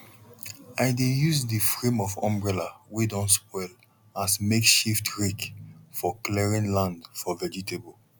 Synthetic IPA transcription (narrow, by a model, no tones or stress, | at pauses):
aɪdejuzdifɹẽmɔvɔ̰̃mbɹɛlawidɔ̃nspɔɪl | asmekʃiftɹikfɔklɛɹĩnlãndfɔvɛd͡ʒitʰebol